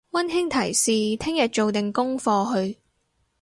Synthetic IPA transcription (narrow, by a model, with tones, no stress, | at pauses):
wɐ˥nɦɪ˥ŋt̪ʰɐ˨˩jsiː˨t̪ʰɪ˥ŋjɐ˨t̚t͡ʃo˨wt̪ɪ˨ŋkʊ˥ŋfɔː˧ɦɵ˧ɥ